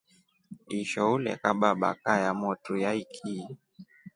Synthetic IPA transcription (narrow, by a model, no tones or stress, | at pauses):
iʃɔulɛ̰kaɓaɓa̰kajamɔtujaikʰi